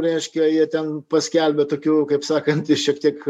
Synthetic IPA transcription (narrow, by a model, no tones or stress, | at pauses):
ɾʲɛɪʃʲkʲɛjiɛt̪ʲɛnpɐsʲkʲɛlʲbʲet̪oːkʲuːkɐɪpsɑːkɐnt̪ɪʃʲiɛkt̪ʲiɛk